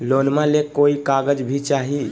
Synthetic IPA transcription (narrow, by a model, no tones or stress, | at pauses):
lonmãlekoikaɡəd͡ʒbʱit͡ʃaɦi